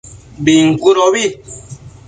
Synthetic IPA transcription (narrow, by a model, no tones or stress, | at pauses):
biŋ̩kuɾɔbi